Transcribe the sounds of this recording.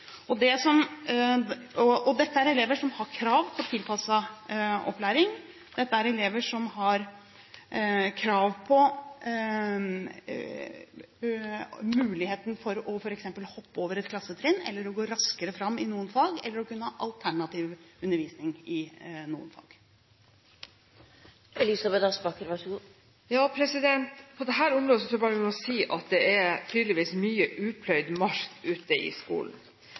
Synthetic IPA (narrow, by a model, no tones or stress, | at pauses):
ɔd̪ɛsɔm | ɔʔɔd̪ɛt̪ːəæɾɛleːʋəʂɔmhɑɾkʰɾɑːʋpʰɔt̪ʰɪlpʰɑsːɑɔ̰plæːɾɪŋ | d̪̥ɛt̪ːəæɾɛleːʋəʂɔmɦɑɾ | kʰɾɑːʋpʰɔ | mʉːlɪheːt̪n̩fɔɾɔfɔɾɛksɛmpəlhɔpːəoːʋəɾɛt̪kʰlɑsːət̪ʰɾeːnːɛ̰lːəɾɔɡoːɾɑskəɾəfɾɑmːɪnuːənfɑːɡɛ̰lːəɾɔkʉnːəhɑːʔɑlt̪ʰæɳɑt̪ʰiːʋʉnːəɾʋiːsnɪŋɪnṵːə̰nfɑ̰ːɡ̥ | ɛlɪsɑbɛd̪ɑspɑkəɾʋɑʂɡuː | jɑːpʰɾɛsɪd̪ɛnt̪pʰɔd̪ɛɦæːɾʊmɾoːd̪əs̬ɔsʰbɑːɾəɪɔsiːʔɑt̪̚d̪ɛɛɾt̪ʰyːd̪ləʋiːsmyːəʔʉːpʰlœʏd̪mɑʂkʉːt̪əʔɪ̰skṵːln̩